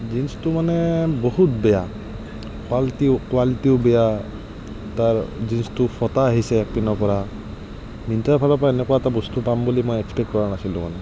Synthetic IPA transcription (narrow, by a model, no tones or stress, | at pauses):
zinstʊmanɛboɦut̚bɛja | kaltikwalitiʊbɛja | taɹzinstʊpʰɔtaːɦisɛːk̚pinɔpɔɹa | mintaɹpʰalɔpɔaenɛkuwatabɔstupambulimɔjɛkspɛk̚kɔɹanasilʊ̃manɛ